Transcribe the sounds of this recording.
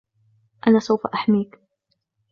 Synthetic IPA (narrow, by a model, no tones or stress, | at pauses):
ʔanaːsawfa̰ʔaħmiːk